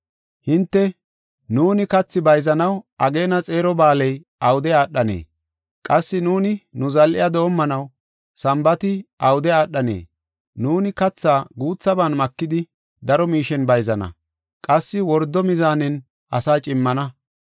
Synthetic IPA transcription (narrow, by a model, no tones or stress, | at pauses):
hɪnt̪ːɛ | nuːnɪkɐt͡sːɪbɐjzɐnɐwʔɐɡe̞ːnɐt͡sʼe̞ːɾɔbaːlɛj | ɐwʊd̪ɛjaːɗːɐnḛː | kʼɐsːɪnuːnɪnʊzɐlʔɪ̰jɐd̪o̞ːmːɐnɐw | sɐmbɐt̪ɪʔɐwʊd̪ɛaːɗːɐnḛː | nuːnɪkɐt͡sːaːɡuːt͡sːɐbaːnmɐkːɪd̪ɪ | d̪ɐɾɔmiːʃɛnbɐjzɐnɐ̰ | kʼɐsːɪwɔɾd̪ːɔmɪzaːnɛn | ɐsaːt͡ʃʼɪmːɐnɐ